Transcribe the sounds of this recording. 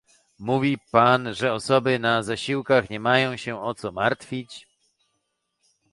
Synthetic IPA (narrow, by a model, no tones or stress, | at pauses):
muvʲipanʐɛɔsɔbɘnazaɕiwkaxɲɛmajɔ̃w̃ɕɛɔt̪sɔmaɾt̪fʲit͡ɕ